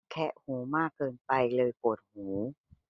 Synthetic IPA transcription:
kʰɛ˦˥ʔhuː˩˦maː˥˩kːɤː˧npa˧jlɤː˧jpoː˨˩t̪̚huː˩˦

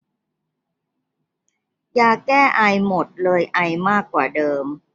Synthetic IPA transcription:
jaː˧˩kːɛː˥˩ʔa˧jmo˨˩t̪̚lɤː˧jʔa˧jmaː˥˩kːwaː˨˩dɤː˧m

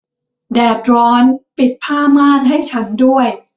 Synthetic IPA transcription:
dɛː˨˩t̪̚ɾɔː˦˥npi˨˩t̪̚pʰaː˥˩maː˥˩k̚ɦa˥˩jt͡ɕʰa˦˥ndu˥˩əj

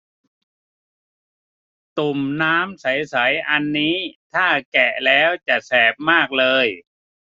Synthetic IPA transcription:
t̪u˨˩mnaː˦˥msa˩˦jsa˩˦jʔa˧nːiː˦˥t̪ʰaː˥˩kɛ˨˩lɛː˦˥wt͡ɕa˨˩sɛː˨˩p̚maː˥˩k̚lɤː˧j

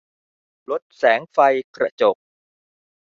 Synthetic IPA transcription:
lo˦˥t̪̚sɛː˩˦ŋfa˧jkɾa˧˥t͡ɕo˨˩k̚

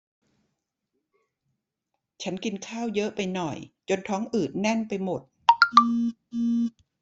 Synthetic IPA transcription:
t͡ɕʰa˦˥nki˧nkʰaː˥˩wjɤ˦˥ʔpa˧jnɔ˨˩jt͡ɕo˧nt̪ʰɔː˦˥ŋʔɯː˨˩t̪̚nɛ˥˩npa˧jmo˨˩t̪̚ː

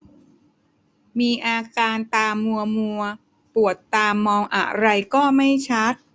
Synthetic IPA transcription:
miː˧ʔaː˧kaː˧nt̪aː˧mːu˧ɐmu˧ɐ | pu˨˩ət̪ːaː˧mːɔː˧ŋʔa̰˨˩ɾa˧jkɔː˥˩ma˥˩jt͡ɕʰa˦˥t̪̚

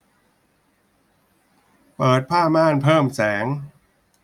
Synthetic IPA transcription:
pɤː˨˩t̪̚pʰaː˥˩maː˥˩npʰɤː˥˩msɛː˩˦ŋ

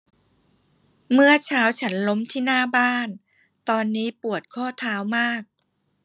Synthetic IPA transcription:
mɯ˥˩ɐt͡ɕʰaː˦˥wt͡ɕʰa˦˥nlo˦˥mt̪ʰiː˥˩naː˥˩baː˥˩n | t̪ɔː˧nːiː˦˥pu˨˩ət̪̚kʰɔː˥˩t̪ʰaː˦˥wmaː˥˩k̚

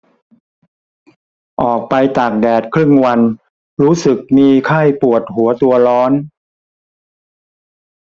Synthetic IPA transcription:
ʔɔː˨˩k̚pa˧jt̪a˨˩k̚dɛː˨˩t̪̚kʰɾɯ˥˩ŋwa˧n | ɾuː˦˥sɯ˨˩k̚miː˧kʰa˥˩jpu˨˩ət̪̚hu˩˦ɐt̪u˧ɐɾɔː˦˥n

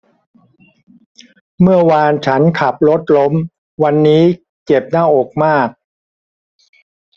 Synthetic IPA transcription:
mɯ˥˩ɐwaː˧nt͡ɕʰa˦˥nkʰa˨˩p̚lo˦˥t̪̚lo˦˥m | wa˧nːiː˦˥ | ke˨˩p̚naː˥˩ʔoː˨˩k̚maː˥˩k̚

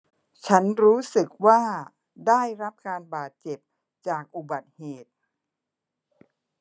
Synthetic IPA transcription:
t͡ɕʰa˦˥nɾuː˦˥sɯ˨˩k̚waː˥˩ | daː˥˩jɾa˦˥p̚kaː˧nbaː˨˩t̪̚t͡ɕe˨˩p̚ | t͡ɕaː˨˩k̚ʔu˨˩ba˨˩t̪̚heː˨˩t̪̚

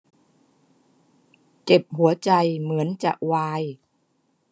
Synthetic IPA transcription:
ke˨˩p̚ɦu˩˦ɐt͡ɕa˧jmɯ˩˦ənt͡ɕa̰˨˩ʔ̚waː˧j

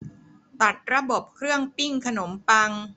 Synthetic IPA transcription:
t̪a˨˩t̪̚ɾa˧bo˨˩p̚kʰɾɯ˥˩əŋpi˥˩ŋkʰa˧no˩˦mpa˧ŋ

